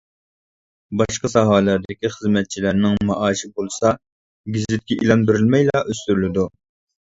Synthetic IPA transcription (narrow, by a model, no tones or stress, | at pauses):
bɑʃqɑsɑɦɑːlˠɑɾd̪ɪkʲiχəzmɛt̪̚t͡ʃʰilæɾnɪŋmɑʔɑːʃɪbolˠsɑ | ɡʲizlɪt̪̚kʲɛʔilɛnbyɾylmɛjlˠɑʔøst̪yɾlɪd̪u